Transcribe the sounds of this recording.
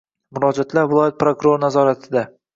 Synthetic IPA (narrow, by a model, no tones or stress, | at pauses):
mʊɾɒd͡ʒat̪ʰlaɾvɪlˠɒjat̪̚pɾokʊɾo̞ɾnazɒɾat̪ʰɪd̪a